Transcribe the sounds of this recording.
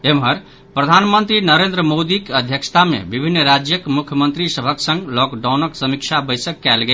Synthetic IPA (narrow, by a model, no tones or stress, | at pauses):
emɦəɾ | pɾəd̪ʱanmənt̪ɾinəɾend̪ɾəmod̪ikeəd̪ʱjəkst̪ʰamḛbibʱinːɾad͡ʒjəkmukʰjəmənt̪ɾisəbʱəksə̃ŋɡlɔkɖawnəksəmikt͡ʃʰabəɪsəkːɛlɡel